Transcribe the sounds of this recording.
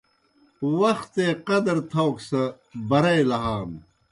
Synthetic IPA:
wɐxt̪eːqɐd̪ɾt̪ʰɐwksɐ | bɐɾɐjlɐɦaːm

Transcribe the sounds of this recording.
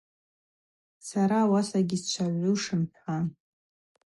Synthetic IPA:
saɾawasaɡʲist͡ʃʷʰaʕʷʊʂɨmħʷan

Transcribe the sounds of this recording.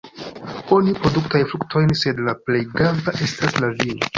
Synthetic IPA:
o̞nipɾo̞duktajfluk̚tʰo̞jnse̞dlaplejɡambaʔe̞staslavin

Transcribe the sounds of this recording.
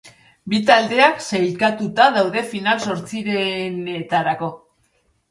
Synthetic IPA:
bit̪ald̪e̞aksajlkat̪ut̪aðawðe̞finalso̞ɾt͡siɾe̞net̪aɾako̞

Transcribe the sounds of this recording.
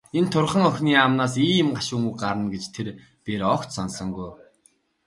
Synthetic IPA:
ent̪ʰʊrχə̆ŋœxʲniːamnaːs̬iːmɢaʃuːŋuːɢaɾə̆nɡet͡ɕt̪ʰeɾ | peɾɔkt̪sɔnsə̆ŋɡuj

